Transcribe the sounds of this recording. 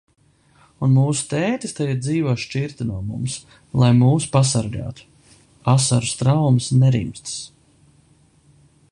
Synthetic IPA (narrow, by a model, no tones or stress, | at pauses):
unmuːsu̥t̪ɛːt̪ist̪ajiɾd̪ziːvoɔʃt͡ʃiɾt̪inuɔmṵms | lˠajmuːsu̥pas̬aɾɡa̰ːt̪u̥ | asaɾust̪ɾawmsnɛɾḭmst̪s